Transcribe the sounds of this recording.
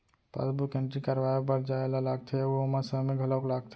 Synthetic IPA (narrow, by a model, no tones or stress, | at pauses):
pa̰sbukẽɳʈɾikaɾʋajobəɾd͡ʒaelalaɡ̚t̪ʰeoəmasəɦmẽɡʱəlɔklaːɡ̚t̪ʰ